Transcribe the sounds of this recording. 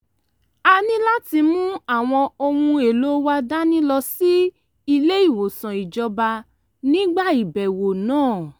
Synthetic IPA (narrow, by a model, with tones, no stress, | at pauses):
a˧nĩ˦la˦ti˧mũ˦a˦˨w̃ɔ̃˧o˧m̃ũ˧e˨lo˨˦wa˦˧da˦nĩ˦lɔ˧si˦ | i˧le˦i˦˨wo˨sã˨i˨d͡ʒɔ˧ba˧ | nĩ˦ɡ͡ba˦˨i˨bɛ˨wo˨nãː˦˨